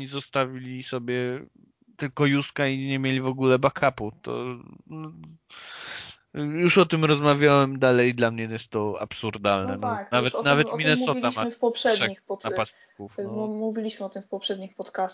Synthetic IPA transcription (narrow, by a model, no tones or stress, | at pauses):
ɔɲizɔst̪avʲilʲisɔbʲjɛ | t̪ɘlkɔjuskaiɲɛmʲjelʲivɔɡulɛbakʰaput̪ɔ̰nɔ | juʂɔt̪ɘmɾɔzmavʲjawɛmd̪alɛjd̪lamɲɛjɛst̪ːɔa̰psuɾd̪alnɛ̰nknavvɛt̪navɛmʲinɛsɔaamfpɔpʂɛdʂɛɲixpɔt̪apasi̥kufmuvʲilʲiɕmɘɔt̪ɘmfpɔpʂɛd̪ɲixpɔt̪kas